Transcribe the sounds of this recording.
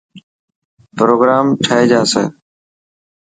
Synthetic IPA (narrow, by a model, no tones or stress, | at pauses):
pɾoːɡɾaːmʈʰəɦeːd͡ʒaːsḛː